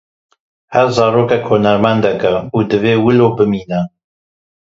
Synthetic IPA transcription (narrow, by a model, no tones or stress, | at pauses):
hæɾzɑːɾoːkɛkhoːnɛɾmɛnd̪ɛkɛuːd̪ɨveːwɨloːbɨmiːnɛ